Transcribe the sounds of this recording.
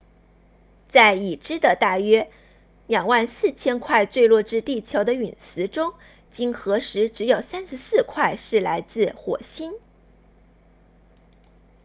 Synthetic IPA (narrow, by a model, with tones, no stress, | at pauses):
t͡sa˥˩ɪi˨˩ʈ͡ʂɻ̩˥d̪ə˨t̪a˥˩ɥɛ˥ | ljɑ˨˩ŋwa˥˧nsɹ̩˥˩t͡ɕʰjɛ˥nkʰwa˥˧ɪt͡swe˥˧ɪlwɔ˥˩ʈ͡ʂɻ̩˥t̪i˥˩t͡ɕʰjo˧˥ʊd̪ə˧y˨˩nsɹ̩˧˥ʈ͡ʂʊ˥ŋ | t͡ɕi˥ŋxɤ˧˥ʂɻ̩˧˥ʈ͡ʂɻ̩˧˥jo˨˩ʊsa˥nʂɻ̩˧˥sɹ̩˥˧kʰwa˥˧ɪʂɻ̩˥˩la˧˥ɪt͡sɹ̩˥˩˧xwɔ˨˩ɕi˥n